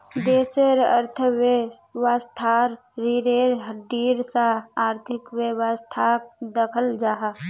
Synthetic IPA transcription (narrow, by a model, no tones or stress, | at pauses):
d̪eːseɾə̰ɾt̪ʰəwewast̪ʰaːɾː | iɾeːɾɦəɖiːɾsaaːɾt̪ʰɪkʋewast̪ʰaːk̚d̪əkʰəld͡ʒaːɦa